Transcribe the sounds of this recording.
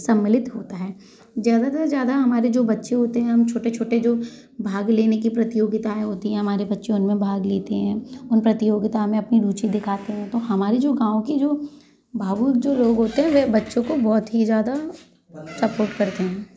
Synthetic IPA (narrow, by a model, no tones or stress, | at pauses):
sɐmːɪlɪt̪ɦoːt̪aɦɛː | zjaːd̪at̪ɐɾzjaːd̪aɦɐmaːɾed͡ʒoːbɐtːʃeɦoːt̪eɦɛ̃ɦɐmt͡ʃʰoːʈet͡ʃʰoːʈed͡ʒoː | bʱaːɡleːnekipɾɐt̪ɪjoːɡɪt̪aẽɦoːt̪iɦɛ̃ɦɐmaːɾebɐtːʃẽʊnmẽbʱaːɡleːt̪eɦɛ̃ːʊnpɾɐt̪ɪjoːɡɪt̪amẽɐpniɾuːt͡ʃid̪ɪkʰaːt̪eɦɛ̃t̪oɦɐmaːɾed͡ʒoːɡãːʋõked͡ʒoː | bʱaːbud͡ʒoːloːɡɦoːt̪eɦɛ̃ʋebɐtːʃõkobɔːt̪ɦizjaːd̪a | sɐpoːɾʈkɐɾt̪eɦɛ̃ː